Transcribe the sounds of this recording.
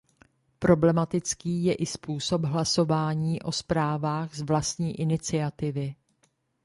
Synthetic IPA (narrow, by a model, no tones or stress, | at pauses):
pɾo̞blɛmat̪ɪt͡skiːjɛʔɪspuːso̞bɦlaso̞vaːɲiːʔo̞spɾaːvaːɣzvlast̪ɲiːʔɪnɪt͡sɪat̪ɪvɪ